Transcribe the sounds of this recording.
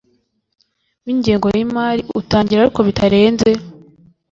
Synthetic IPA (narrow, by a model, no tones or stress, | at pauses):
wiːɲɟeːŋɡo̞jimaːɾiʔutaːɲɟiɾaɾiko̞βitʰaɾe̞ːnze̞